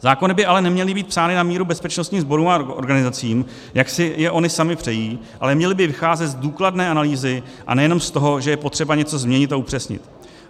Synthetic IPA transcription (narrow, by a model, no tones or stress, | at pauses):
zaːko̞nɪbɪalɛnɛmɲɛlɪbiːt̪psaːnɪnamiːɾubɛspɛt͡ʃnost̪ɲiːzbo̞ɾuːmao̰ɾɡanɪzat͡siːm | jaksɪjɛʔo̞nɪsamɪpr̥ɛjiːʔa̰lɛmɲɛlɪbɪvɪxaːzɛt̪zduːkladnɛːanaliːzɪ | ʔa̰nɛjɛno̞mst̪o̞ɦo̞ʒɛjɛpo̞t̪r̝̥ɛbaɲɛt͡so̞zmɲɛɲɪt̪aupr̝̥ɛsɲɪ̰t̪